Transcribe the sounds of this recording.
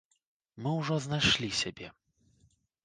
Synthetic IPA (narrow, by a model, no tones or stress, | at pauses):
mɨwʐɔznajʂlʲisʲabʲɛ